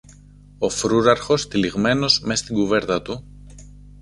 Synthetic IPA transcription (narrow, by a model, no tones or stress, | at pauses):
o̞fɾuɾɐɾxo̞st̪iliɣme̞no̞zme̞st̪iŋɡuve̞ɾt̪ɐt̪u